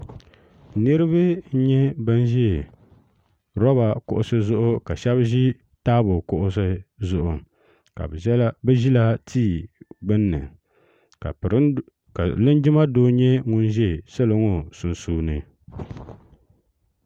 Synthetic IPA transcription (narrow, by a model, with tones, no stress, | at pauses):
nɨ˦ɾɨ˦βɨ˦ɲɛ˦bɨ˦n˦ʒɛ˦˨ | ɾɔ˦ba˨kʊ˨ʔʊ˦sɨ˦zʊ˦ʔʊ˦ka˨ʃɛ˦bʒi˦ | taː˦bʊ˨kʊ˦ʔʊ˦sɨ˦zʊ˦ʔʊ˨ | ka̰˨˦bɨ˦ʒi˦la˦tʰiː˦˨ɡ͡bɨ˦nːɨ˨ | a˨ɾ | ka̰˨lɨ˦nd͡ʒɪ˦ma˦doː˦ɲɛ˦ŋʊ˦nʒɛ˦˨sa˦lɨ˨ŋo˦su˨nsuː˦nɨ˨